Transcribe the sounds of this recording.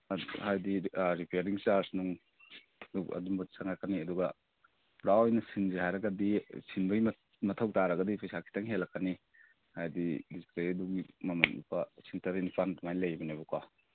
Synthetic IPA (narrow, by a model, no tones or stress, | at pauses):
hajdiɾipeɾiŋt͡ʃaɾsnuŋ | duɐ̰dumbɐsaŋakaniɐduɡɐ | pɾawɔjnɐsinzihajɾɐɡɐdisinbɐɡm | mɐtʰɐwtaɾɐɡɐdipʰajsakʰi̥tʰaŋɦelːɐkːani | hajdidiskɾiduŋimɐmɐnṵpɐsiŋtɐɾinipʰantumajlɐjbɐnajbɐkwa